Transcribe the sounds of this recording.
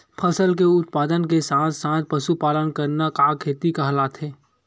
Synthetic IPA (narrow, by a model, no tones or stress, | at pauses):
pʰɐsəlk̬eʊt̪̚paːd̪ənkesãːt̪ʰsãːt̪̚ʰpɐʃupaːlənkəɾnakaːkʰeːt̪ikaɦɐlaːt̪ʰɦeː